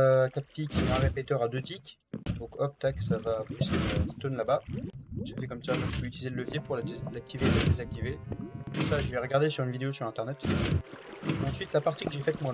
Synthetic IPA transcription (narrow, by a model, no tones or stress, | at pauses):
kap̚t̪ikʲeɛ̃ʁepet̪œʁad̪øt̪ikʲ | d̪ɔ̃kɔp̚t̪aksavapusest̪onlabaʒefɛkɔmsavɛ̃ʒə̥pøyt̪ylizelələvjepuʁllak̚t̪ʰivelad̪ezak̚t̪ivet̪usaʒəvɛʁəɡaʁd̪esyʁynvid̪eosyʁɛ̃t̪ɛʁnɛt̪ | ɑ̃sɥit̪lapaʁt̪ikəʒefɛt̪mwa